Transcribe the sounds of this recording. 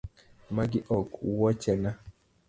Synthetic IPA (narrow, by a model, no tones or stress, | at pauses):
maɡɪʔɔkwɔt͡ʃɛna